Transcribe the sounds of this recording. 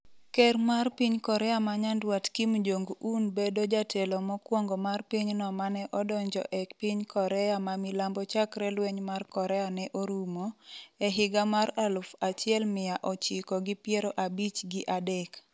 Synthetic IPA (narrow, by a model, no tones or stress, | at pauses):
kɛrmarpiɲkɔɾɛamaɲandwatkimud͡ʒoŋɡuʔunbedod͡ʒatʰɛlɔmɔkwɔŋɡɔmarpiɲnɔmanɛʔɔdɔɲd͡ʒɔ̰ʔɛkpiɲkɔɾɛamamilambɔt͡ʃakɾɛlwɛɲmarkɔɾɛanɛʔoɾumoɛɦɪɡamaralʊfat͡ʃjɛlmɪjaʔɔt͡ʃɪkɔɡipjɛɾoʔabit͡ʃɡɪʔadɛk